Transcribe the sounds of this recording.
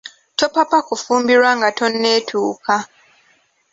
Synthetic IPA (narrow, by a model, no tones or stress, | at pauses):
to̞papakufuːmbiɾwaŋɡatʰo̞nːe̞ːtʰuːkʰa